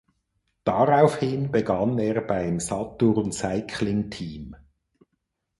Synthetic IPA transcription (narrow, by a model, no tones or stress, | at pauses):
d̥aʁaʊfhɪnbəɡɑneːɐbaɪmsɑtʊʁnsaɪkʰlɪŋtʰiːm